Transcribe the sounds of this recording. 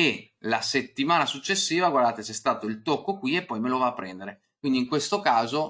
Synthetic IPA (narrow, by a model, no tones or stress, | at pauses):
e | laset̪ːimaːnasut͡ʃːesːiːvaɡward̪aːt̪esɛst̪aːt̪oilt̪okːokwiepːɔjmelovaːpːɾɛnd̪eɾe | kwind̪iŋkwest̪okaːzo